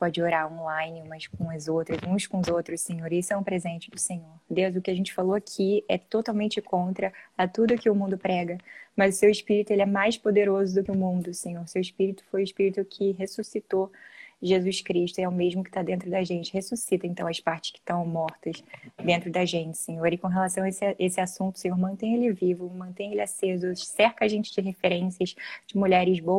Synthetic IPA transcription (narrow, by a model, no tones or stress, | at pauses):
pɔd͡ʒɪoɾaɾõlãjnɪmɐskõɐzowt̪ɾɐzũskõʊzowt̪ɾʊssẽɲoɾisʊɛʊpɾezẽnt͡ʃɪd̪ʊsẽɲoɾd̪ewzʊkɪaʒẽnt͡ʃɪ̥faloakʰiɛt̪ot̪awmẽnt͡ʃɪkõnt̪ɾɐɐt̪ud̪ʊkɪʊmũnd̪ʊpɾɛɡɐmɐzʊsewɪʃpiɾit̪ʊelɪɛmajspod̪eɾozʊd̪ʊkɪʊmũnd̪ʊsẽɲoɾʊsewɪʃpiɾit̪ʊ̥fojʊɪʃpiɾit̪ʊkʰɪɦesusit̪oʒezuʃkɾiʃt̪ʊɛʊmeʒmʊkɪ̥t̪ad̪ẽnt̪ɾʊd̪ɐʒẽnt͡ʃɪhesusit̪ɐẽnt̪ɐ̃w̃ɐʃpaɾt͡ʃɪ̥ʃkɪ̥t̪ɐ̃w̃mɔɾt̪ɐʃd̪ẽnt̪ɾʊd̪ɐʒẽnt͡ʃɪ̥sẽɲoɾɪkõɦelasɐ̃w̃esʔesɪasũnt̪ʊ̥sẽɲoɾmɐ̃t̪ẽj̃elɛvivʊmɐ̃t̪ẽj̃elɪasezʊsɛɾkaʒẽnt͡ʃɪd͡ʒɪɦefeɾẽsiɐʃd͡ʒɪmuʎɛɾɪzbo